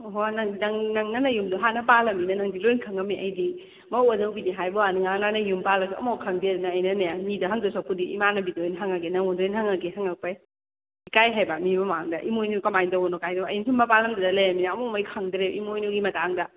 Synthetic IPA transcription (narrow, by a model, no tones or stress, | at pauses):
ɦonɐŋnɐŋnɐŋnɐnɐjumdoɦanɐpalɐminɐnɐŋdilojnkʰɐŋɐmiʔɐ̰jdi | mɐwɐdɐwbiniɦajbɔaniŋananɐjumpalɐsɐ̰mokʰɐŋdiɐdunɐːjnɐnɐjamidɐɦɐŋdɐsapudiʔḭmanɐbidojnɦaŋaɡenɐŋɔndojnhaŋaɡeɦaŋɐk̚paj | ikajɦajbɐmimɐmaŋdɐ̰ʔimojnukɐmajndɐwɔnokajdɐmɐ̰jnisunmɐpalɐmdadɐlɐjaminɐɐmomɐjkʰɐŋdɾeʔimojnuɡimɐtaŋdɐ